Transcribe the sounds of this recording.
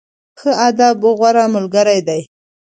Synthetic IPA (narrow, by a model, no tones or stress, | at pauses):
xəad̪abʊɣwaɾamʊlɡəɾajd̪aj